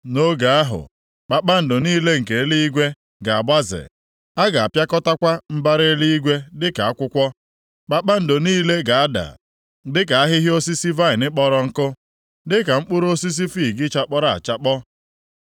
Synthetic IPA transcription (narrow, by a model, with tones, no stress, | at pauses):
no˦ɡa˨a˦ɦʊ̰˨ | k͡pa˨k͡pa˦n̩˨do˨niː˦le˦ŋ̩˨ke˨e˦li˦i˦ɡʷe˦ | ɡa˨a˨ba˦zɪ̰˨ | a˦ɡa˨a˨pja˦kɔ˦ta˦kʷa˦m̩˦ba˦ɾe˦li˦i˦ɡʷe˦dɪ˦ka˨a˦kʷʊ˦kʷɔ˦ | k͡pa˦k͡pa˦n̩˨dʊ˨niː˦le˦ɡa˨a˦da̰˨ | dɪ˦k̬a˨a˦ɦɪ˦ɦjo˦si˦si˦va˦ɪ˨nɪ˦k͡pɔ˦ɾɔ˦ŋ̩˦kʊ˦ | dɪ˦ka˨ŋ͡m̩˦k͡pʊ˦ɾo˦si˦s̬i˦fi˦˨ɡɪ˦t͡ʃa˦k͡pɔ˦ɾa˨a̰˨t͡ʃa˦k͡pɔ˦